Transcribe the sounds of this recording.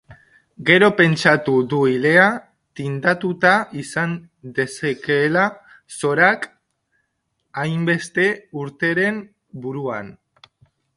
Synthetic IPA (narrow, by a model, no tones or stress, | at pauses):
ɡe̞ɾo̞pe̞nt͡ʃat̪uðuile̞a | t̪ind̪at̪ut̪aisan | d̪e̞sakela | so̞ɾak | ajmbe̞st̪e̞uɾt̪e̞ɾe̞m | buɾuan